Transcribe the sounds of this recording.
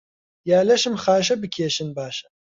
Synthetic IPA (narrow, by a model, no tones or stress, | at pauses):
jaːlɐʃɨmxaːʃ̬ɐbɨkʲʰeːʃɨnbaːʃɐ̥